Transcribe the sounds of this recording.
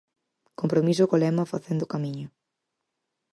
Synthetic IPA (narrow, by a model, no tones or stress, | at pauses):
kompɾomis̬ʊkolɛmɐfaθend̪ʊkamiɲʊ